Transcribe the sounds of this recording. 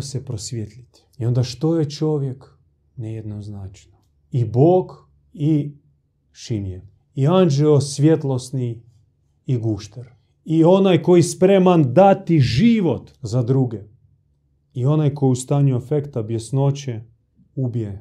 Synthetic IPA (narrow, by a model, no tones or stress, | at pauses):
sepɾosʋʲjet̪lʲit̪ | io̞nd̪aʃt̪o̞jet͡ʃo̞ʋjek | nejed̪noznat͡ʃno | iboːɡ | i | ʃimje | iand͡ʒɛosʋʲjet̪lˠosniː | ɡuʃt̪eɾ | io̞najko̞jispɾe̞mand̪at̪iʒiʋo̞t̪zad̪ɾuɡe | io̞najko̞just̪aːɲuefekt̪abjesno̞t͡ɕe | ubije